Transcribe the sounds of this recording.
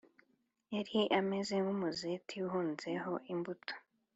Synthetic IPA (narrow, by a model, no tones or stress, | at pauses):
eɾiʔamezeŋɡumuzetʰiuɦuːnzeho̞ʔimbutʰo̥